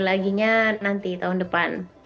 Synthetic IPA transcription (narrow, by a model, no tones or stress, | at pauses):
laɡiɲanant̪it̪aɦʊndəpan